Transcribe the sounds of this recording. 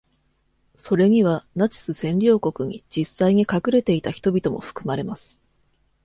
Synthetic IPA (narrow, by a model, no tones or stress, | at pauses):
so̞ɾe̞ɲ̟iβ̞anat͡ɕi̥sɨsẽ̞ɲɾʲo̞ːko̞kɯ̟ɲ̟ḭd͡ʑisːaiɲ̟ikakɯ̟ɾe̞t̪e̞it̪açi̥t̪o̞bʲit̪o̞mo̞̰ɸɯ̟̥kɯ̟maɾe̞masɨ̥